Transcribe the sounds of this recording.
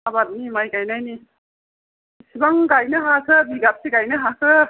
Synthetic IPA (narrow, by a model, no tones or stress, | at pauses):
abat̚nimajɡajnajni | sibaŋɡajnɯɦakʰɯbiɡap̚siɡajnɯɦakʰɯ